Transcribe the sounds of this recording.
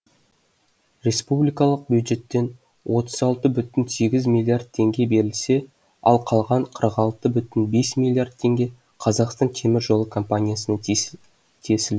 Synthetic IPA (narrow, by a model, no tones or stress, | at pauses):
rʲe̞spublijkɑlˠəq̚bjud̪ʒe̞t̪ːe̞n | wʔo̞t̪əzɑlˠt̪əbʏt̪ɪnse̞ɡʲɪzmilʲːˠiard̪̚t̪ʰe̞ŋɡʲe̞be̞ɾɪlse̞ | ɑ̰lˠqʰɑlˠʁɑɴqʰəɾəqɑlˠt̪əbʏt̪ɪnbe̞smilˠːijard̪̚t̪ʰːe̞ŋɡʲe̞ | qʰɑzɑqst̪ɑnt̪ʲʰe̞mɪɾʒo̞lˠəkʰo̞mpanʲijasənɑ | t̪ʰe̞sɪl